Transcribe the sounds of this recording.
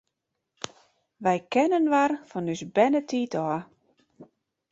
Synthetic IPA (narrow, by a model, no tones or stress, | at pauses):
ʋɛjkɛnənʋarfɔnysbɛnətʰiːtʰɔ